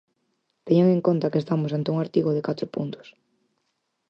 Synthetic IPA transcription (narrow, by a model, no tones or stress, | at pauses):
t̪eɲaŋẽŋkont̪akest̪amʊsant̪euŋaɾt̪iɣoðekat̪ɾʊpunt̪ʊ̥s